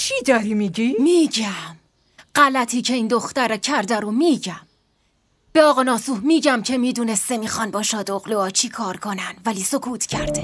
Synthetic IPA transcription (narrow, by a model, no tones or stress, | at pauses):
t͡ʃʰid̪ɒːɾiːmiɟimiːɟæm | ɢ̥ælæt̪ʰiːcʰe̞iːnd̪o̞xt̪æɾɛcʰæɾd̪æɾomiːɟæm | b̥eɒːɣɒːnɒːsuːhmiːɟæmcʰe̞miːd̪uːne̞st̪e̞miːxɒːnbɒːʃɒːd̪oɣloɒːt͡ʃʰiːkʰɒːɾkʰo̞nænd̪væliːsokʰuːt̪ʰcʰæɾd̪e